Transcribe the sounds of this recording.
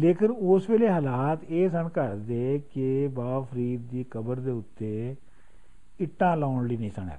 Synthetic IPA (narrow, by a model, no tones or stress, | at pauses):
leːkɪnʊsʋeːleːɦaːlaːt̪eːsənkəɾd̪eːkebaːpʰəɾiːd̪̚ːiːkəbəɾd̪eːʊt̪ːeː | ɪʈːãːlaːɳliːnĩːsəɳɛ̰ː